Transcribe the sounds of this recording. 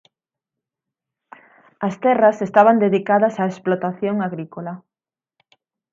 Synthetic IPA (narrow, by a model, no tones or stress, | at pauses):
ɐst̪ɛrɐsest̪aβand̪eðikaðɐsaesplot̪aθjoŋaɣɾikola